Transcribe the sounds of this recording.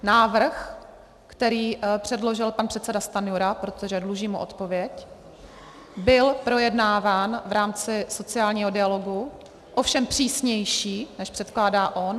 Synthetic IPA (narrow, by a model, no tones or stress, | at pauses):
naːvr̩x | kt̪ɛɾiːpr̝̥ɛdlo̞ʒɪlpanpr̥ɛt̪t͡sɛdast̪anɪoɾapɾo̞t̪o̞ʒɛdluʒiːmuʔo̞̰t̪po̞vjɛc | bɪlpɾo̞jɛdnaːvaːnvɾaːmt͡sɪso̞t͡sɪaːlɲiːɦo̞dɪalo̞ɡu | ʔofʃɛmpr̝̥iːsɲɛjʃiːnɛʃpr̥ɛt̪klaːdaːʔo̞n